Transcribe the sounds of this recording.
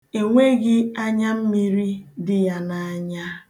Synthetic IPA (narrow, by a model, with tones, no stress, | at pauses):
e˨ŋʷe˦ɡɪ˦a˦ɲa˦m̩˦mi˦ɾi˦dɪ˦ja˦na˨a˦˨ɲa˦